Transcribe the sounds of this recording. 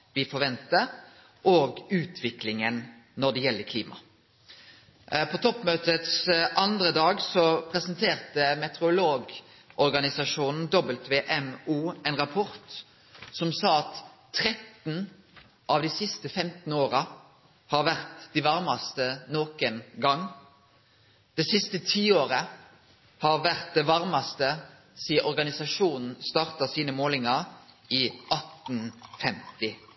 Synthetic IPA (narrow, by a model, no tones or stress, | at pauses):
ʋɪfɔʁʋɛnt̪ə | ʔoːɡʉːt̪ʰʋɪklɪŋən | nɔʁd̪ɛjɛlːəkʰliːmɑ̰ | pʰɔt̪ʰɔpmøːt̪ət̪sʔɑnd̪ʁəd̪ɑːɡsɔpʰʁɛsənt̪ʰeːʁt̪əmɛt̪ɛʁʊloːɡ | ʔɔʁɡɑnɪsɑʂuːnn̩d̪ɔbəlt̪ʋeːʔɛmuːɛnʁɑpʰɔʁt̪ | sɔmsɑːɑt̪ʰː | ʁɛt̪n̩ | ʔɑʋd̪ɪsɪst̪əfɛmt̪n̩oːʁɑ | hɑːʁʋæʁt̪d̪iʋɑʁmɑst̪ənoːkənɡɑŋː | d̪̥ɛsɪst̪ət̪ʰiːoːʁə | hɑʁʋæʁt̪̚d̪ɛʋɑʁmɑst̪ə | siːəʔɔʁɡɑnɪsɑʂuːnn̩st̪ɑːʁt̪ɑsiːnəmoːlɪŋɑɾ | iːʔɑt̪n̩fɛmt̪ɪ